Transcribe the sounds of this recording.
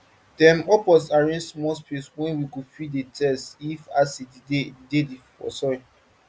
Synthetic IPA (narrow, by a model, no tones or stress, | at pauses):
dɛ̃mɔpɔsaɹẽnsmɔspeswɛ̃nwikufiddetʰɛstifasededediffɔ̰sɔi